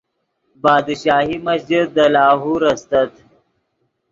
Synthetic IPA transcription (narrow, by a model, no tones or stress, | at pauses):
bɑːd̪ʃɑːɦimɐsd͡ʒid̪̚ːəlɑːɦuɾɐst̪ɐt̪